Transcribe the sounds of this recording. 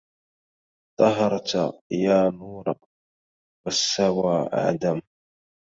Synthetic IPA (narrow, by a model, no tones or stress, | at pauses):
t̪ˤɑɦɑɾˤt̪jaːnuːɾˤɑ | wasːawaːʔa̰ʕd̪am